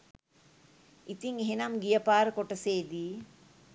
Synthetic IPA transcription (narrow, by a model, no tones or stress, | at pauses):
it̪iŋeɦenamɡijəpaːɾəkoʈəseːd̪i